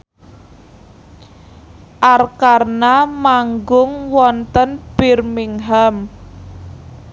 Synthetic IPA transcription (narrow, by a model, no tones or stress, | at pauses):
ʔarkarnamaŋɡʊŋwɔnt̪ənb̥ɪrmiŋɦam